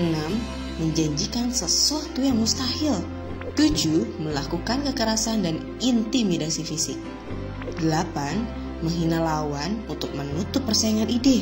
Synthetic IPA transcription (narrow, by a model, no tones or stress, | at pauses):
ənamː | əɲd͡ʒaɲd͡ʒikansəsuat̪ujaŋmust̪ahɪl | t̪ud͡ʒuməlakukankəkəɾasandan | int̪imidasifisɪk̚ | d̥əlapan | məŋɦinalawanunt̪ʊk̚mənut̪ʊpːərsaaŋanidɪ